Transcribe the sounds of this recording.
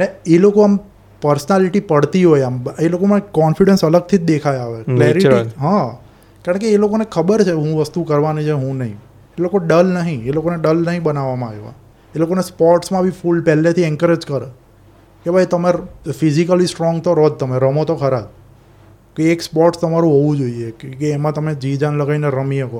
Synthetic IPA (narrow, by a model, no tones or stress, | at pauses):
neelokoam | pəɾsnaliʈipəɽt̪iɦojambelokomãkɔnfiɽensələɡ̚t̪ʰid͡ʒd̪ekʰajaʋekleɾiʈiɦã | kaə̃ɳkeːlokonekʰəbəɾt͡ʃʰeɦũʋəst̪ukəɾʋanĩt͡ʃʰeɦũnəɦĩ | elokoɖəlnəɦĩelokoneɖəlnəɦĩbənaʋamãaʋeʋa̰ | elokonespɔɾʈsmãbʱifulpɛlet̪ʰiɛŋkəɾed͡ʒkəɾe | kebʱajt̪əmefizikəlisʈɾɔŋɡt̪oɾɔd̪̚t̪əmeɾəmot̪okʰəɾab | keekspɔɾʈst̪əmaɾũɦoʋũd͡ʒoiekeːmãt̪əmed͡ʒid͡ʒanləɡaineɾəmijəko